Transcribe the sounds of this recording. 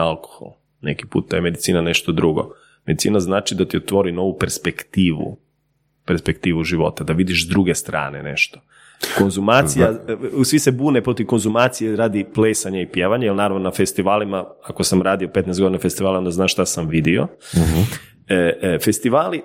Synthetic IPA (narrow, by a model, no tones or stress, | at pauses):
alˠko̥xo̰l | nḛki̥pṵt̪̚d̪ajeme̞d̪it̪siːnane̞ʃt̪o̞d̪ɾuɡo̰ | med̪it̪sḭːnaznaːt͡ʃid̪at̪iot̪ʋo̞ɾino̞ʋupeɾspekt̪iːʋṵ | peɾspekt̪iːʋuʒiʋo̞̰t̪ad̪aʋid̪iʃzd̪ɾuɡest̪ɾa̰ːnḛne̞̰ʃt̪o̥ | ko̞nzumaːt̪sijasʋisebuːnepɾo̞t̪iʋko̞nzumaːt̪sijeɾaːd̪ipleːsaɲaipjeːʋaɲajelnaːɾaʋnonafest̪iʋaːlimaakosamɾaːd̪iopet̪nɛjsɡod̪inafest̪iʋaːlao̞nd̪aznaːʃt̪asamʋid̪io | fe̞st̪iʋaːli